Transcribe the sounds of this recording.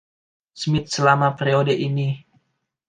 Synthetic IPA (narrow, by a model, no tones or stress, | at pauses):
smit̪̚səlamapeɾiodəʔini